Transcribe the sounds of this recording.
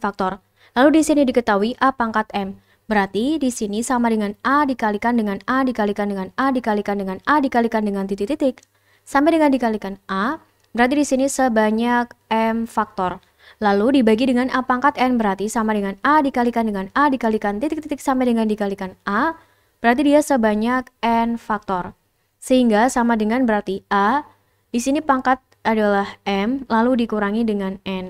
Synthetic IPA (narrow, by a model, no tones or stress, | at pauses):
fak̚t̪ɔr | laludisinidikət̪auiʔapaŋkat̪̚ɛm | bəɾart̪idisinisamadəŋanadikalikandəŋanadikalikandəŋanadikalikandəŋanadikalikandəŋant̪it̪ikt̪it̪ɪk̚ | sampɛdəŋandikalikanʔa | bəɾart̪̬idisinisəbaɲak̚ɛmfak̚t̪ɔr | laludibaɡidəŋanʔapaŋkat̪ɛnbəɾart̪isamadəŋanadikalikandəŋanadikalikant̪it̪ɪk̚t̪it̪ɪk̚sampɛdəŋandikalikanʔa | b̥əɾart̪̬idiasəbaɲak̚ɛnfak̚t̪ɔr | səhiŋɡasamadəŋanbəɾart̪iʔa | disinipaŋkat̪̚adalahɛmlaludikuɾaŋidəŋanɛn